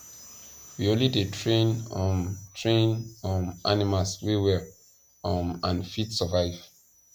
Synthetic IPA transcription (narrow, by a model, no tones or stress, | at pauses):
wiõnlidetʰɹẽnɔtʰɹẽnɔ̃na̰nimalswewɛ | ɔmãnfitsɔvaɪv̥